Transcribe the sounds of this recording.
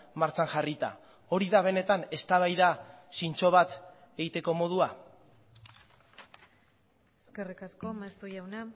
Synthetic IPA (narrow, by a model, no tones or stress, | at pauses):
maɾt͡saŋʝarit̪a̰ | o̞ɾiðaβ̞e̞ne̞t̪ane̞st̪aβajðasint͡so̞βat̪ | e̞ɣit̪eko̞mo̞ð̞ua | eskerikaskomast̪ujawna